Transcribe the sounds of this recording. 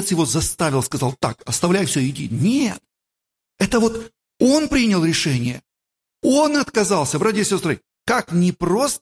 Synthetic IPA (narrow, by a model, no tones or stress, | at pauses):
t̪sjɪvo̞zɐst̪aɪlˠskɐzalˠt̪a̰kɐst̪ɐvlʲæjfsʲɵɪdʲḭnʲet̪̚ | ɛt̪əvo̞t̪ | o̞npɾʲinʲɪlˠɾʲɪʂɛnʲɪjə̰ | o̞nɐt̪kɐzalˠsʲəbɾatʲɪɪsʲo̞st̪ɾɨ | kaknʲɪpro̞st̪